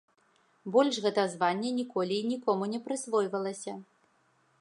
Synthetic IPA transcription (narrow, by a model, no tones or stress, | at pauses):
bɔlʲʂɣɛt̪ɐzvanʲːɛnʲikɔlʲiːnʲikɔmunʲɛpɾɨsvɔjvɐlˠɐsʲɐ